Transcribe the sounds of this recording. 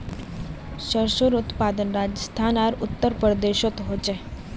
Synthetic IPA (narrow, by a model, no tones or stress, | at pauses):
ʃəɾʃoɾut̪pad̪ənɾad͡ʒəst̪ʰanaɾut̪ːəɾpəɾd̪eʃot̪ɦot͡ʃe